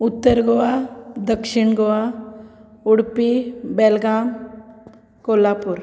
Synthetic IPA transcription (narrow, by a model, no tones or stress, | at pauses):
ʊt̪ːəɾɡoad̪əkʃɪɳɡoa | ʊɽpibeːlɡaːm | koːlapʊɾ